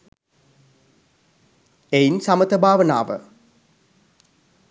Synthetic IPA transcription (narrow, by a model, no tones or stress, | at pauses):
einsamət̪əbʱaːʋəna̰ːʋə̰